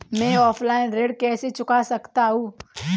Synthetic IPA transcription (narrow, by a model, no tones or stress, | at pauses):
mɛ̃ɔːpʰlaːɪnɾeːɽkɛːset͡ʃʊkasɐkt̪aɦũː